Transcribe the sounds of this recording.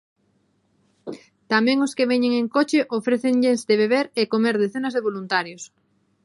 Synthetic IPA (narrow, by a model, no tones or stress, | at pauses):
t̪amɛ̃ŋoskeβeɲeŋeŋkot͡ʃɪʔofɾeθeŋʎenzd̪eβeβeɾekomeɾðeθenazðeβolunt̪aɾjos